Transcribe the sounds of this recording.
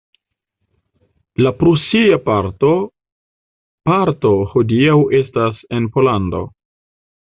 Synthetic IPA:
lapɾusiapaɾto | paɾto̞hodiawe̞stase̞npo̞lando̞̰

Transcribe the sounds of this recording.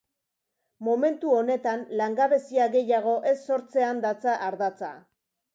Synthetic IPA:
mo̞me̞nt̪uo̞ne̞t̪anlaŋɡaβe̞siaɣe̞jaɣ̞o̞ʔe̞sːo̞ɾt͡se̞and̪at͡saʔaɾðat͡sa̰

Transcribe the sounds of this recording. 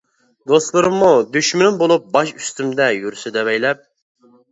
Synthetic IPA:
d̪ost̪lˠɨɾɨmːud̪yʃmynɪŋbolˠup̚bɑʃyst̪ymd̪ɛjyɾysyd̪ɛvɛjlɛp̚

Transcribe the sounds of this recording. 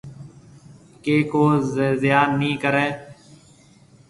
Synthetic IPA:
keːkoːzezɪjaːnːĩːkəɾeː

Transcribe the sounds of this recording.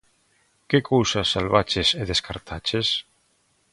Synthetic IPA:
kekʰowsasːalβat͡ʃeseðeskaɾt̪ʰat͡ʃes

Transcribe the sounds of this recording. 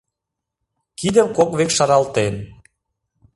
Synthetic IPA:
kid̪əmkokβekʃɑɾɑlt̪en

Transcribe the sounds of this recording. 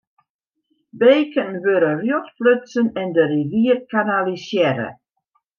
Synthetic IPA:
beːkənʋøɾərjɔtpløtt͡sənɛndəriʋiərkanalisjɛɾə̰

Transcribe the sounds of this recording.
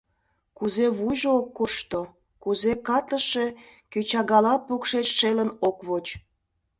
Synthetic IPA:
kuzeβuʒookːoʃt̪o | kuzekɑt̪ləʃe̽ | køt͡ɕɑɣɑlɑpokʃet͡ɕʃelənokβot͡ɕ

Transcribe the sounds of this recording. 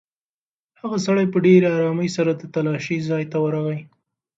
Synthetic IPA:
haɣasaɽajpəɖeɾɑɾɑməjsaɾad̪ət̪alɑʃizɑjt̪awəɾaɣaj

